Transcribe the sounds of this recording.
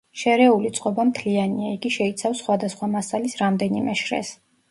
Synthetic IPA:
ʃɛɾɛulit̪sʼqʼɔbamt̪ʰlianiaiɡiʃɛit̪sʰafsχwad̪asχwamasalisɾamd̪ɛnimɛʃɾɛ̰s

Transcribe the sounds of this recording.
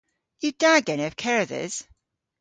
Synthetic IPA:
jɨdaɡɛɾ̃ɨv̥kʰɛɹɨðɪ̰z̥

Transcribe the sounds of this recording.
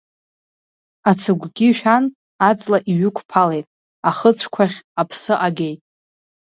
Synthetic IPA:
at͡sʰɨɡʷɡʲiʃᶣan | at͡sʼlaʔiɥʏkʷʰpʰale̞jtʼ | aχət͡sʷʰkʷʰaχʲapʰsɨʔaɡʲe̞jtʼ

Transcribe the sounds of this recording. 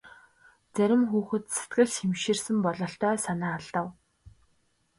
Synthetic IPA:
t͡sæɾʲɪ̆mxuːxɘ̆t̪se̥t̪ɡɘ̆ɮxemʃiːrsɘ̆mpɔɮɞ̆ɬt̪œːsanaːɮt̪ə̆w

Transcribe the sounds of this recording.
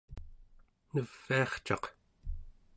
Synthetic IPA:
nəv̥ːiɑχt͡ʃɑ̰q

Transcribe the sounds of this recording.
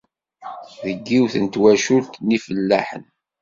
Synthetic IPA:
ðəɡːiwθənt̪wæʃult̪nifəlːæħə̰n

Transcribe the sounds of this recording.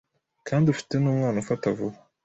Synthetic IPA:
kʰaːndiufi̥tenuːmwaːnufatavṵβa

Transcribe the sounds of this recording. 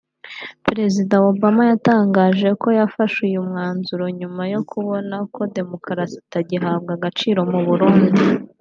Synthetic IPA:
peɾe̞zidaobamajataːŋɡaːʒe̞ko̞jafaʃujumŋaːnzuɾo̞ɲumajo̞kʰuβo̞nako̞de̞mo̞kɾasi̥taɟiɦaːb̚ɡaɡat͡ʃiːɾo̞muβuɾuːndi

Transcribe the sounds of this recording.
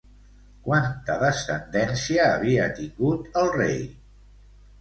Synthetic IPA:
kwant̪əðəsənd̪ɛnsiəːβiət̪iŋɡut̪əlˠrḛj

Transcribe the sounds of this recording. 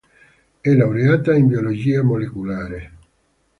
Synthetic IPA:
ɛlawɾeaːt̪aimbiolod͡ʒiːamolekulaːɾe

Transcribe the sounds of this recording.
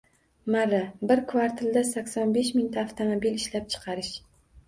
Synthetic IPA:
maɾabɪɾkʰvaɾt̪ʰɪld̪asakʲsɒnbeʃmɪŋt̪ʰaːft̪ʰomobilɪʃlap̚t͡ʃʰɨ̥qʰɑɾɪʃ

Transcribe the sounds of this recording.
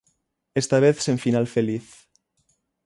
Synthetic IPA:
est̪aβ̞eθseɱfinalfeliθ

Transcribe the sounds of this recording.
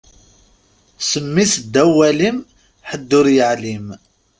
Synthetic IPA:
səmːisd̪ːæwælim | ħəd̪ːʊɾjəʕlim

